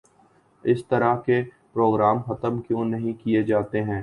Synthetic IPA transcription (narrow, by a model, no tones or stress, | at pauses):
ɪst̪ɐɾake | pɾoːɡɾaːmxɐt̪əmkjõːnɐɦĩkied͡ʒaːt̪eɦɛ̃ː